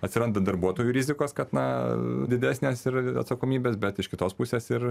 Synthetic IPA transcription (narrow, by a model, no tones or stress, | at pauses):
ɐtʲsʲɪɾɐnd̪ɐd̪ɐrbuɔt̪oːjuɾʲizʲɪkoːskɐt̪nɐd̪ʲɪd̪ʲæːsʲnʲeːsɪɾɐ̰t̪sɐkoːmʲiːbʲeːsbʲɛt̪ɪʃkʲɪt̪oːspusʲeːsɪr